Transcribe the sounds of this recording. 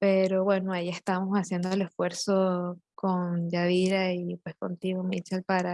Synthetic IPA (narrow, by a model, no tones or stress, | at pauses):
pe̞ɾo̞βwe̞noajie̞st̪amo̞sasje̞nd̪oele̞sfwe̞ɾso̞kond͡ʒaβiɾaipwe̞sko̞̰nt̪iɣomit͡ʃelpaɾa